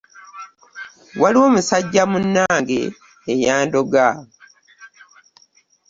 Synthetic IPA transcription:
waliwo̞ːmusaɟːamunːaːŋɡe̞ː | jaːndo̞ɡa

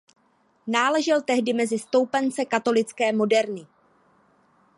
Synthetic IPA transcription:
naːlɛʒɪlt̪ɛɦdɪmɛzɪst̪o̞wpɛnt͡sɛkat̪o̞lɪt͡skɛːmo̞dɛɾnɪ

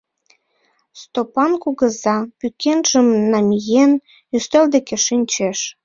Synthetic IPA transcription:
st̪opɑnkuɣə̆zɑpykʰenʒ̥əmnɑmʲijen | yst̪eld̪ekeʃinʲt͡ɕeʃ

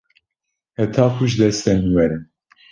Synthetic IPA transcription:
hɛt̪ʰaːkʰuʒd̪ɛst̪ɛnwɛɾɛ

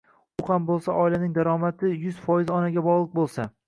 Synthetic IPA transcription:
ʊhambolˠsaʔɒɪlanɪŋd̪aɾɒmat̪ʰɪjʊz̥fɒjɪzɒnaɡʲabɒʁlˠɨq̚bolˠsa

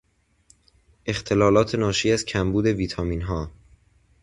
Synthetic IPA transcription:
ʔe̞xt̪ʰe̞lɒːlɒːt̪ʰe̞nɒːʃiːæzcʰæmbuːd̪e̞viːt̪ʰɒːmiːnɦɒː

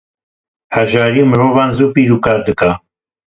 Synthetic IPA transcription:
hɛʒɑːɾiːmɨɾoːvɑːnzuːpiːɾuːkaːɾd̪ɨka

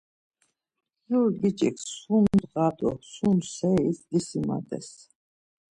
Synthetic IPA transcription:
julɡit͡ʃʼɛksumd̪ʁad̪ɔsumsɛisd̪isima̰d̪ɛ̰s

